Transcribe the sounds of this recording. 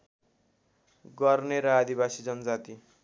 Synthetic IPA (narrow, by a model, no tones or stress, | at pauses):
ɡʌrneɾʌad̪ibasid͡zʌnʌd͡zat̪i